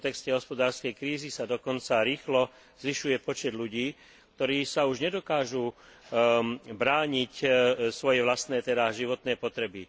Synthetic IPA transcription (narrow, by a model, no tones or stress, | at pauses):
t̪ɛkscɛɦɔspɔd̪aːɾskɛjkɾiːzisad̪ɔkɔnt͡saɾiːxlɔ | zʋiʃujɛpɔt͡ʃɛd̪ʎuɟiː | k̚t̪ɔɾiːsauʒɲɛd̪ɔkaːʒu | bɾaːɲicsʋɔjɛʋlast̪nɛːt̪ɛd̪aʒiʋɔt̪nɛːpɔt̪ɾɛbi